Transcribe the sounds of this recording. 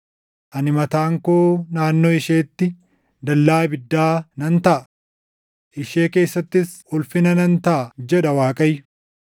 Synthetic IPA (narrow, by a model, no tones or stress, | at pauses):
ʔɐnɪmɐt̪aːŋkoːnaːnːoɪʃeːt̪ːɪ | d̪ɐlːaːbɪd̪ːaːnɐnt̪ɐʔɐ | ʔɪʃe̞ːke̞ːsːɐt̪ːɪs | ʊlfɪnɐnɐnt̪ɐʔɐd͡ʒɛᶑɐwaːkʼɐjʊ